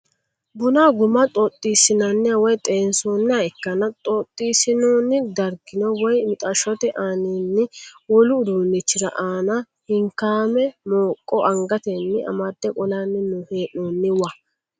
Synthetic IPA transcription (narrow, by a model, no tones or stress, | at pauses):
bʊnaɡʊmɐt̪ʼɔt̪ʼːiːsɪnɐnːɛɐwɔjt̪ʼeːnsonːɪaɛkːɐnɐt̪ʼɔt̪ʼːiːsɪnoːnːɪd̪ɐɾɡɪnɔwɔjmɪt̪ʼɐʃɔt̪ɪʔaːninːɪwɔlʊːd̪uːnːɪt͡ʃːɪɾɐ̰ʔaːnɐ | hɪŋkaːmɛmoːkʼːɔʔɐŋɡɐt̪ɛnːɪɐ̰mad̪̥ːɛkʼɔlanːɪnʊheːʔoːnːɪwɐ